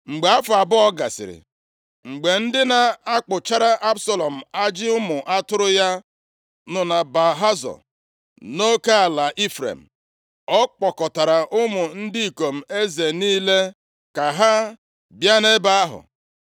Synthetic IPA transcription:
ŋ͡m̩˨ɡ͡be˨a˦fʊ˨a˨bʊ˦ɔ˦ɡa̰˨sɪ̰˨ɾɪ̰˨ | ŋ͡m̩˨ɡ͡be˨n̩˦dɪ˦na˨a˦k͡pʊ˨t͡ʃa˦ɾa˦ʔa˦bsɔ˦lɔ˨m̩˨a˦d͡ʒɪ˦ʊ˦mʊ˨ʔa˦tʊ˦ɾʊ˦ja˦ | nʊ˨na˨ba˨ɦa˦zɔ̰˨ | no˦ka˦a˨la˨ʔi˦fɾḛ˨m̩˨ | ɔ˦k͡pɔ˨kɔ˨ta˨ɾa˨ʔʊ˦mʊ˨n̩˦di˦i˨ko˨m̩˨e˦ze˨niː˦le˦ | ka˨ɦa˦ | bja˦ne˦ba˦ɦʊ̰˨

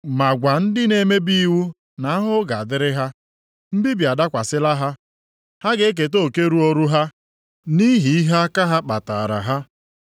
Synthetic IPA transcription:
ma˨ɡʷa˨n̩˦dɪ˦ne˨˦me˦bi˦wu˦ | na˨˦a˦ɦʊ˦ɡa˨a˨dɪ˦ɾɪ˦ɦa˦ | m̩˦bi˦bi˨a˨da˦kʷa˨sɪ˦la˦ɦa˦ | ha˦ɡe˦e˦k̬e˨t̬o˦˨ke˦ɾu˦o˦ɾu˦ɦa˦ | ni˦ɦi˨i˦ɦa˦a˦ka˦ɦa˦k͡pa̰˨ta̰˨ɾa̰˨ɦa˦

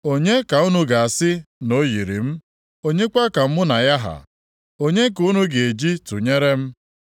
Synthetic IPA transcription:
o˦ɲe˦ka˨u˦nu˦ɡa˨a˨sɪ˦no˦ji˨ɾḭ˨m̩˦ | o˦ɲe˦kʷa˦ka˨m̩˦mʊ˦na˨ja˦ɦa̰˨ | o˦ɲe˦ku˦nu˦ɡe˨e˨d͡ʒi˦tu˨ɲe˦ɾe˦m̩˦

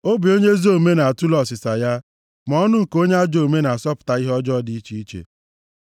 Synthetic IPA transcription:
o˦bi˨o˦ɲe˦zo˦˨me˦na˨a˨tu˦lɔ˨sɪ˨sa˨ja˦ | m˨ɔ˦nʊ˦ŋ̩˨ko˦ɲe˦a˦d͡ʒo˨me˦na˨a˨sɔ˦pʊ̥˨ta˨i˦ɦɔ˦d͡ʒɔ˦di˦i˦t͡ʃi˦i˦t͡ʃḛ˨

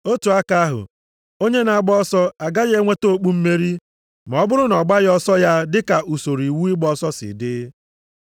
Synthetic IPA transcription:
o˦tu˨a˦ka˦a˦ɦʊ̰˨ | o˦ɲe˦na˨a˦˨ɡ͡bɔ˦ɔ˦sɔ˦a˨ɡa˦ɣe˦ŋʷe˦to˦˨k͡pu˦m̩˦me˦ɾi˦ | m˨ɔ˦bʊ˦ɾʊ˦nɔ˨ɡ͡ba˦ɣɔ˦sɔ˦ja˦dɪ˦ka˨ʔu˨so˨ɾi˨wu˦i˦ɡ͡bɔ˦sɔ˦sɪ̰˨dɪ˦

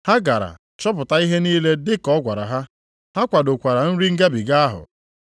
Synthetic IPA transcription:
ha˦ɡa˨ɾa̰˨ | t͡ʃɔ˦pʊ˨ta˦i˦ɦe˦niː˦le˦dɪ˦kɔ˦ɡʷa˨ɾa̰˨ɦa˦ | ha˦kʷa˨do˨kʷa˨ɾa˨n̩˦ɾi˦ŋ̩˦ɡa˦bi˨ɡa˦a˦ɦʊ̰˨

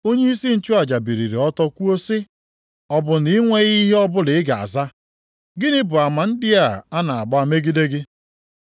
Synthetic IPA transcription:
o˦ɲe˦i˦si˦n̩˦t͡ʃu˦a˨d͡ʒa˨bi˨ɾḭ˨ɾḭ˨ɔ˦tɔ˦kʷu˦o˦sɪ˦ | ɔ˦bʊ˨ni˦ŋʷe˦ɣi˦ɦe˦ɔ˦bʊ˦lɪ˨ɪ˦ɡa˨a̰˨za˦ | ɡɪ˦nɪ˦bʊ˨a˨ma˨n̩˦dɪ˦a˦˨a˦na˨a˨ɡ͡ba˦a˦me˦ɡi˦de˦ɡɪ˦

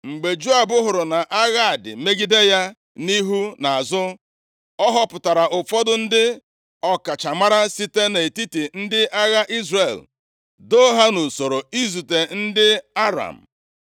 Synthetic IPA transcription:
ŋ͡m̩˨ɡ͡be˨d͡ʒu˦a˨bʊ˦ɦʊ˨ɾʊ˨na˨ʔa˦ɣa˦a˨dɪ̰˨me˦ɡi˦de˦ja˦ | ni˦ɦu˦na˨a˨zʊ˦ | ɔ˦ɦɔ˦pʊ˨ta˨ɾa˨ʔʊ˨fɔ˦dʊ˦n̩˦dɪ˦ | ɔ˦ka˨t͡ʃa˨ma˦ɾa˦si˦te˦ne˨ti˦ti˨n̩˦dɪ˦ʔa˦ɣa˦ʔi˦zre˨l | do˦ɦa˦nu˨so˨ɾo˨i˦zu˨te˨n̩˦dɪ˦a˦ɾa̰˨m̩˨

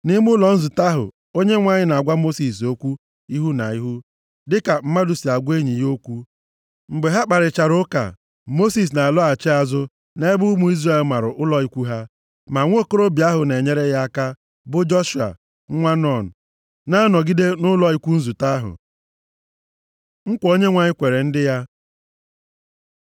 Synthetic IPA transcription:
nɪ˦m˦ʊ˦lɔ˨n̩˦zu˨ta˦ɦʊ̰˨ | o˦ɲe˦ŋʷa˦ɲɪ˦na˨a˨ɡʷa˦mo˦si˨s̬o˦kʷu˦ | i˦ɦu˦na̰˨i˦ɦu˦ | dɪ˦ka˨m̩˦ma˦du˨si˨a˨ɡʷe˦ɲi˨jo˦kʷu˦ | m̩˨ɡ͡be˨ɦa˦k͡pa˨ɾɪ˨t͡ʃa˨ɾʊ˦ka̰˨ | mo˦si˨s̬na˨a˨lɔ˦a˨t͡ʃɪ˦a˨zʊ˦ | ne˦bʊ˦mu˨i˦zra˦˨e˨lma˨ɾʊ˨ʔʊ˦lɔ˨i˦kʷu˦ɦa˦ | ma˨ŋʷ˦o˦ko˦ɾo˦bi˨˦a˦ɦʊ˨ne˨ɲe˦ɾe˦ja˦ka˦ | bʊ˦d͡ʒɔ˦ʃu˨a̰˨ | ŋ̩˦ŋʷa˦nɔ˦˨n̩˨ | na˦a˦nɔ˨ɡi˦de˦nʊ˦lɔ˦i˦kʷu˦n̩˦zu˨ta˦ɦʊ̰˨ | ŋ̩˦kʷo˦ɲe˦ŋʷa˨ɲɪ˦kʷe˨ɾe˨n̩˦dɪ˦ja˦

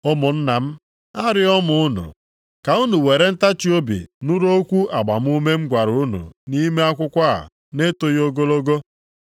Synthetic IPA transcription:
ʊ˦mʊ˨n̩˦na˨m̩˦ | a˦ɾɪ˦ɔ˦mʊ˨˦ʊ˦nʊ̰˨ | ka˨u˦nu˨we˨ɾe˦n̩˦ta˦t͡ʃi˦o˦bḭ˨nʊ˦ɾo˦kʷu˦ʔa˨ɡ͡ba˨m˦u˦me˦ŋ͡m̩˦ɡʷa˨ɾnṵ˨ni˦me˦a˦kʷʊ˦kʷa˦a̰˨ | ne˦to˦jo˦ɡo˦lo˦ɡo˦

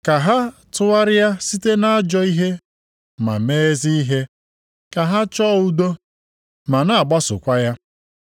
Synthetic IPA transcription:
ka˨ɦa˦tʊ˦wa˦ɾɪ˦ja˦si˦te˦na˦a˦d͡ʒɔ˦i˦ɦe˦ | ma̰˨me˦zi˦i˦ɦe˦ | ka˨ɦa˦t͡ʃɔ˦u˦do˦ | ma˨na˨a˨ɡ͡ba˦sʊ̰˨kʷa˦ja˦

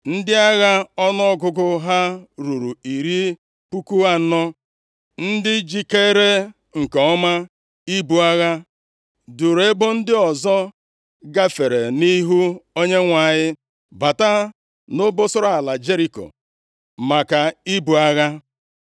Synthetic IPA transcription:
n̩˦dɪ˦a˦ɣa˦ɔ˦nɔ˦ɔ˦ɡʊ˦ɡʊ˦ɦa˦ɾu˨ɾu˨i˨ɾi˦ | pu˦ku˦a˦nɔ˦ | n̩˦dɪ˦d͡ʒi˨ke˦ɾe˦ | ŋ̩˨ke˨ɔ˦ma˦ | i˦bu˨a˦ɣa˦ | du˨ɾe˦bʊ˦n̩˦dɪ˦ɔ˨zɔ˦ | ɡa˦fe˨ɾe˨ni˦ɦu˦o˦ɲe˦ŋʷa˨ɲɪ˦ | ba˨ta˦ | no˦bʊ˦sʊ˦ɾa˦˨a˨la˨d͡ʒe˦ɾi˨ko̰˨ | ma˨ka˨i˦bu˨a˦ɣa˦

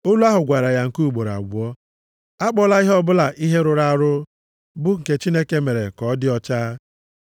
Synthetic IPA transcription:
o˦lu˦a˦ɦʊ˨ɡʷa˨ɾa˨ja˨ŋ̩˨ku˦u˨ɡ͡bo˨ɾa̰˨ɡʷʊ˨ɔ˦ | a˦k͡pɔ˦la˦i˦ɦɔ˦bʊ˦la˨ʔi˦ɦe˦ɾʊ˨ɾa˦a˨ɾʊ˦ | bʊ˦ŋ̩˨ke˦t͡ʃi˦ne˦ke˦me˨ɾe˨kɔ˨˦dɪ˦ɔ˦t͡ʃaː˦

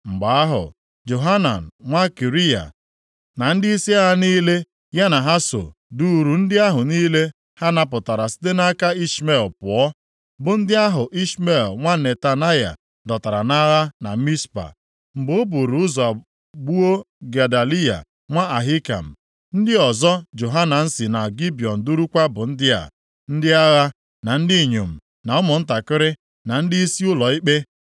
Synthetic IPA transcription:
ŋ͡m̩˨ɡ͡ba˨a˦ɦʊ̰˨ | d͡ʒo˨ɦa˦na̰˨n̩˨ŋʷa˦ki˨ɾi˦a̰˨ | na˨n̩˦dɪ˦i˦si˦a˦ɾa˦niː˦le˦ | ja˦na˨ɦa˦so̰˨du˦˨ɾu˨n̩˦dɪ˦a˦ɦʊ˨niː˦le˦ | ha˦na˦p̬ʊ˨ta˨ɾa˨si̥˦t̬e˦na˦ka˦i˦sme˨lpʊ˨ɔ˦ | bʊ˨n̩˦dɪ˦a˦ɦʊ˨ʔi˦sme˦˨lŋʷa˦ne˨ta˨na˦ja̰˨ | dɔ˨ta˨ɾa̰˨na˦ɾa˦na˨˦mi˦spa̰˨ | m̩˨ɡ͡bʊ˦bu˨ɾu˨ʊ˦zɔ˨a˨ | ɡ͡bu˦o˦ | ɡa˨da˨li˦ja̰˨ | ŋʷa˦a˨ɦi˦ka̰˨m̩˨ | n̩˦dɪ˦ɔ˨zɔ˦d͡ʒo˨ɦa˦na˨n̩˦sɪ˨na˨ɡi˦bi˨ɔ˨n̩˨du˦ɾu˦kʷa˦bʊ˨n̩˦dɪ˦a̰˨ | n̩˦dɪ˦a˦ɣa˦ | na˨n̩˦dɪ˦˨ɲo˨m̩˨ | na˨ʊ˦mʊ˨n̩˦ta˨kɪ˦ɾɪ˦ | na˨n̩˦dɪ˦i˦si˦ʊ˦lɔ˨i˦k͡pe˦

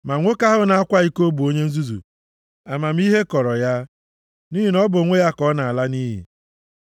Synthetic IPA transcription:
ma˨ŋʷo˦ka˦ɦʊ˦na˨a˦kʷa˦i˦ko˦bu˨o˦ɲe˦n̩˦zu˦zṵ˨ | a˨ma˨m̩˦i˦ɦe˦kɔ˨ɾɔ˨ja˦ | ni˦ɦi˨nɔ˦bʊ˨ŋʷe˦ja˦kɔ˦na˨a˨la˦ni˦ɦḭ˨

